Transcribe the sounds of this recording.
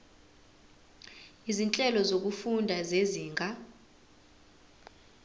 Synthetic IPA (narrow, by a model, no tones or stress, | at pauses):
izint͡ɬʼɛlɔzok̬ufundʱazeziːŋʱa